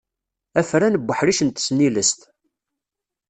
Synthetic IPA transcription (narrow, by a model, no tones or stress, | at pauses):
æfɾænəbːəħɾiʃənt̪ə̥sniləst̪